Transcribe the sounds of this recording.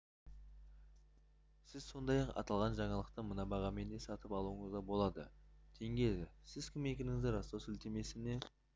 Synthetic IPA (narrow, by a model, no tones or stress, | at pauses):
sɪzso̞nd̪ɑjɑqɑ̰t̪ɑlˠʁɑnʒɑɴɑlˠəq̚t̪əmənɑbɑʁɑme̞nd̪e̞sɑt̪əpɑlˠuəɴəzʁɑbo̞lˠɑd̪ə | t̪ʰe̞ŋɡʲe̞d̪ɪsɪzkʲʰɪme̞kʲe̞nɪŋɪzd̪ɪɾɑst̪osɪlt̪e̞me̞sɪne̞